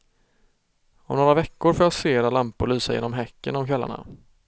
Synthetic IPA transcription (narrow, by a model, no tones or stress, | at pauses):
ɔmnoːɾavɛkːʊɾfoːɾjɑseːɾalampʊɾɭyːsajḛːnɔmɦɛkːə̰nɔmkʰɛlːa̰ɳa̰